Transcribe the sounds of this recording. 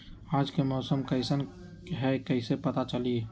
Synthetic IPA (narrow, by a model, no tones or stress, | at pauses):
aːd͡ʒkemɔːsəmkəɪsən | ɦɛkəɪsepɐt̪at͡ʃəli